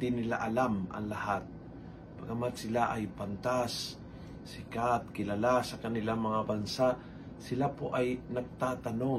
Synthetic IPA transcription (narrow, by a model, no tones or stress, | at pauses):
d̪ɪnɪla̰ʔɐlamʔɐ̰ŋlɐhat̪̚ | pɐɡɐmat̪̚sɪlaʔajpant̪asː | ɪkat̪̚kɪlalasɐkɐnɪlaŋmɐŋabɐnsa | sɪlapoʔajnɐɡ̚t̪aːt̪ɐno̞